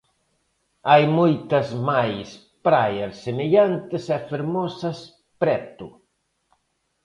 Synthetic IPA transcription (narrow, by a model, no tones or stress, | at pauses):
ajmojt̪ɐzmajs | pɾajeɾsːemeʎant̪ɪsɛfeɾmɔsɐs | pɾɛt̪u